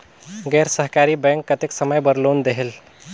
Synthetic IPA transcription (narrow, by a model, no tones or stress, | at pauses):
ɡɛɾsəɦkaɾibɛ̃ŋkːət̪eksəməjbəɾlond̪eɦel